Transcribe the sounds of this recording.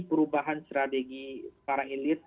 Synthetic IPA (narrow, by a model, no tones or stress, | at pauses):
pəɾubaɦanst̪ɾat̪eɡipaɾaelɪt̪̚